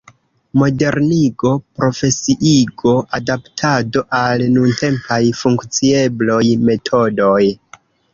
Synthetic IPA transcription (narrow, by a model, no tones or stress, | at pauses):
mo̞de̞ɾniɡo̞pɾo̞fe̞siʔiɡo̞ʔadaptʰado̞ʔalnunte̞mpajfuŋkt͡sie̞blojme̞tʰo̞do̞j